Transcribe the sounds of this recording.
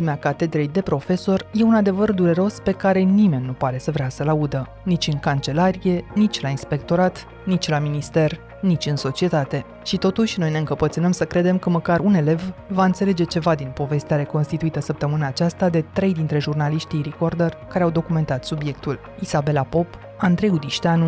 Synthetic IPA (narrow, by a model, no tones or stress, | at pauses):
imeakat̪e̞d̪ɾejd̪e̞pɾo̞fe̞so̞rje̞unad̪e̞vərd̪uɾe̞ɾo̞spe̞kaɾe̞nime̞nʲːupaɾe̞səvɾeasəlaud̪ə | nit͡ʃʲɨŋkant͡ʃe̞laɾije̞nit͡ʃʲlainspe̞k̚t̪o̞ɾat̪ | nit͡ʃʲlaminist̪e̞r | nit͡ʃʲɨnso̞t͡ʃie̞t̪at̪e̞ | ʃit̪o̞t̪uʃʲno̞jne̞ɨŋkəpət̪sɨnəmsəkɾe̞d̪e̞mkəməkaɾune̞le̞vvaɨnt̪se̞le̞d͡ʒe̞t͡ʃe̞vad̪inpo̞ve̞st̪eaɾe̞ko̞nst̪it̪uit̪əsəp̚t̪əmɨnaːt͡ʃast̪ad̪e̞t̪ɾe̞jd̪int̪ɾe̞ʒurnaliʃt̪ijɾikord̪orkaɾeawd̪o̞kume̞nt̪at̪subje̞k̚t̪ul | izabe̞lapo̞p | and̪ɾe̞jud̪iʃt̪eanu